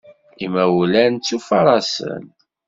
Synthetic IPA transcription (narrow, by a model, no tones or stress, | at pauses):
imæwlænt͡sːufɑɾˤɑsə̰n